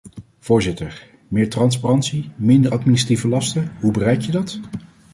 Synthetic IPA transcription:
v̥ʊːɹzɪtəɹ | mɪːɹtrɑnsparɑntsimɪndəɹɑtminɪsrativəlɑstəɦubərɛjkjədɑt

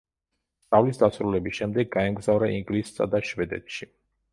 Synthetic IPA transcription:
st̪ʼavlisd̪asɾulɛbisʃɛmd̪ɛɡːaɛmɡzavɾaʔiŋɡlissa̰d̪aʃvɛd̪ɛ̰t̪ʰʃi

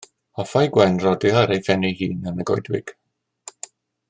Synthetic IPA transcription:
ɔfajɡwɛnrɔdiaɾejfɛnihiːnənəɡɔ̰jdwɪɡ̥

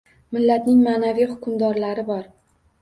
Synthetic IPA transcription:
mɪlːat̪nɪŋmaːnavijhʊkʊmd̪ɒɾlaɾɪbɒɾ

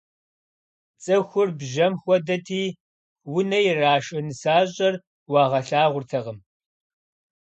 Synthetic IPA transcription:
t͡sʼɐxʷʊrbʒɐmxʷɔdɐtʰiː | wʊnɐjɪraːʃʼɐnɨsaːɕʼɐr | wɑːʁɐɬaːʁʷʊrtʰɐʁəm

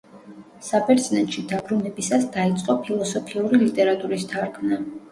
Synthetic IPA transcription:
sabɛɾt̪sʼnɛt̪ʃid̪abɾunɛbisasd̪ait̪sʼqʼɔpʰilˠɔsɔpʰiuɾilit̪ʼɛɾat̪ʼuɾist̪ʰaɾkʰna

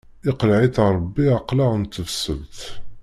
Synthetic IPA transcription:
iqlʕit̪ɾˤəbːiaqlant̪ːəfsəlt̪

